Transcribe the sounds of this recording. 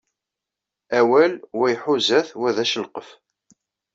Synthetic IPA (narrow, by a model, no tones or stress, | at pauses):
æwælwæjħuzæθwæðæʃəlqəf